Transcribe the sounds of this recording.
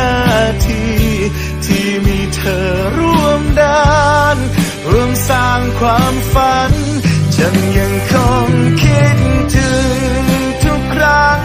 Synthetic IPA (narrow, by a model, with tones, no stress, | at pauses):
aː˧˩t̪ʰiː˧ | t̪ʰiː˧miː˧˥t̪ʰɤː˧ | ɾu˧˩əmdaː˧n | ɾu˧əmsaː˧˩ŋkʰwaː˧˥mfa˧n | t͡ɕa˧˩ŋɲa˧ŋkʰɔ˧ŋkʰi˦˧t̪̚t̪ʰɯ˨˧˦ŋ | t̪ʰu˦˥k̚ʰɾa˦˥